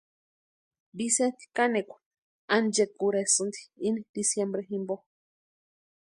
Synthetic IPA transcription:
bisent̪i̥kanekʷḁ | and͡ʒekuɾesɨnd̪i̥inid̪isjembɾeɦimbo

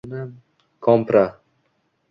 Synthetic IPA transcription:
na | kʰɔmpɾa

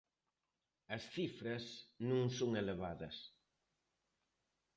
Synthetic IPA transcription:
ɐsθifɾɐsnũŋsoŋeleβaðɐs

